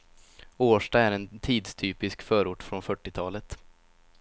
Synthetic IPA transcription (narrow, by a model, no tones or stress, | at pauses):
oːʂʈaæɾɛnt̪ʰiːd̪st̪ʰyːpɪskfœːɾʊʈːfɾɔnfœʈːɪt̪ʰɑːlət̪